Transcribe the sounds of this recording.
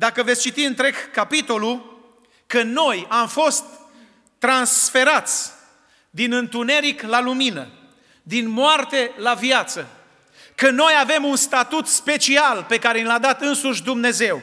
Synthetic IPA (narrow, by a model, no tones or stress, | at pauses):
d̪akəvet̪sʲt͡ʃit̪iɨnt̪ɾe̞ɡːapit̪o̞lu | kəno̞jamfo̞st̪ː | ɾansfe̞ɾat̪sʲ | d̪inɨnt̪une̞ɾiklaluminə̰ | d̪inmoart̪e̞lavjat̪sə | kəno̞jave̞munst̪at̪ut̪spe̞t͡ʃialpe̞kaɾe̞nilad̪at̪ɨnsuʃʲd̪umne̞ze̞w